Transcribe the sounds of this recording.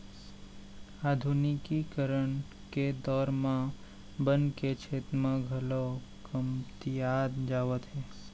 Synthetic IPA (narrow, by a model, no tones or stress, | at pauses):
aːd̪ʱunikikəɾəɳ | ked̪ɔːɾmã | bənket͡ʃʰeːt̪mãɡʱəlokəmt̪ijaːd̪d͡ʒaːʋət̪ɦɛː